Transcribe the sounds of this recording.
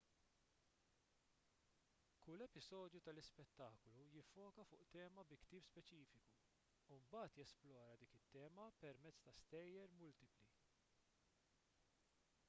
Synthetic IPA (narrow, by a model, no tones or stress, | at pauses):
kʊlːɛpɪzɔːd̪jut̪ɐlɪspɛt̪ːɐːklujɪfːɔːkɐfʊːʔt̪ɛːmɐbɪkt̪iːpspɛt͡ʃiːfɪku | umbɐːt̪jɛsplɔːɾɐd̪iːkɪt̪ːɛːmɐpɛɾmɛt͡sːt̪ɐst̪ɛjːɛɾmʊlt̪ɪpli